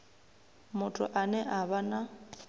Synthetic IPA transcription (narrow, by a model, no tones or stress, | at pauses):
mʊtʰʼʊ̰ʔanɛʔaβana